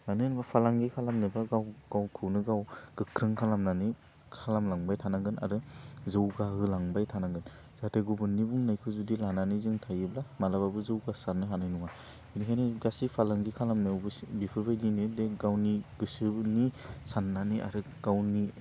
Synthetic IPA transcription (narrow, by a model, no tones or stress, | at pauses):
nanɯnbapʰalaŋɡikʰalamnɯbaɡawɡ̥awkʰɯwnɯɡawɡ̥ɯkʰɾɯŋkʰalamnani | kʰalamlaŋbajtʰanaŋɡɯna̰ɾɯzɯwɡahɯlaŋbajtʰanaŋɡɯn | zatʰeɡubɯnːibuŋnajkʰɯzudilananizɯŋtʰajɯblamalababɯzɯwɡasanːɯɦanɯjnuŋa | binikʰajniɡasipʰalaŋɡikʰalamnɯwbɯbipʰɯbajdinɯdeɡawniɡɯsɯnisanːaniʔa̰ɾɯ | ɡ̥awni